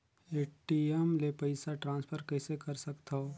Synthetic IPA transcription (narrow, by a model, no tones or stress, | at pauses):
eːʈiemlepɐɪsaʈɾãːnspʰəɾkɐɪsekɐɾsɐkt̪ao